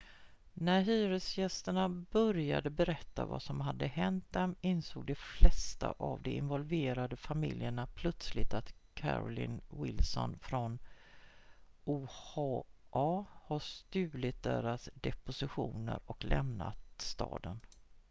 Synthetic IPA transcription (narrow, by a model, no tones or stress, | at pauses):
næɾɦyːɾəsjɛst̪əɳabœɾja̰d̪əbɛɾɛt̪ːa̰va̰sɔmɦad̪ːəɦɛnt̪̚d̪ɛmɪnsoːɡ̚d̪ɛflɛst̪aʔavd̪ɛɪnvɔlveːɾad̪əfamɪljəɳapʰlœt̪slɪt̪at̪kʰæ̰ɾɔlɪnwɪlsɔ̰nfɾɔn | uːhɑʔɑːhaʂt̪ʉ̟ːlɪt̪̚d̪eɾasd̪ɛpʊsɪɧuːnə̰ɾɔklɛmnat̪st̪ɑːd̪ən